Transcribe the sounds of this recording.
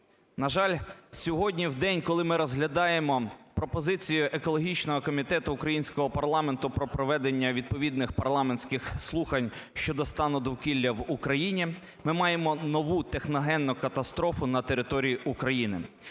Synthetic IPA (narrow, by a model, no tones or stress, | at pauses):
nɐʒɑlʲsʲɔɦɔdʲnʲiwd̪ɛnʲkɔlˠɪmɪɾɔzɦlʲɐd̪ɑjemɔpɾɔpɔzɪt͡sʲijʊʔekɔlˠɔɦʲit͡ʃnɔɦɔkɔmʲit̪ɛt̪ʊːkɾɐjinʲsʲkɔɦɔpɐrlˠɑme̞nt̪ʊpɾɔpɾɔʋɛd̪enʲːɐʋʲid̪̚pɔʋʲid̪nɪxpɐrlˠɑmenʲsʲkɪxslˠuxɐnʲʃt͡ʃɔd̪ɔst̪ɑnɔd̪ɔwkʲilʲːɐwukɾɐjinʲi | mɪmɑje̞mɔnɔʋut̪exnɔɦɛnːʊkɐt̪ɐst̪ɾɔfʊnɐt̪e̞ɾɪt̪ɔɾʲijiʔukɾɐjinɪ̰